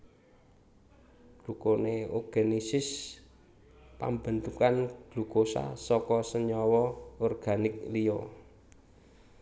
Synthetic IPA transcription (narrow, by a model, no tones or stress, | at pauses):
ɡ̥lukoneoɡ̥e̤nisɪs | pa̰mbə̤nt̪ukanɡ̥lukosa̰sɔkɔsəɲɔwɔɔrɡ̥anɪk̚lijɔ